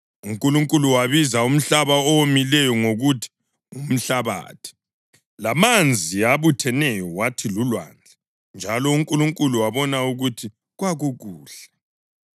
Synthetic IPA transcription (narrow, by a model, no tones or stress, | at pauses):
uŋkʼuluŋkʼuluwaβizaum̩ɬaβaɔwomilɛjɔŋoɣutʰi̥ | ŋum̩ɬaβa̰ːtʰi̥ | lamand͡zʱiaβutʰɛnɛjɔwatʰilulwa̰nd͡ɮʱɛ | nd͡ʒʱalɔuŋkʼuluŋkʼuluwaβɔnauɣutʰi | ɣwaɣuɣuːɬɛ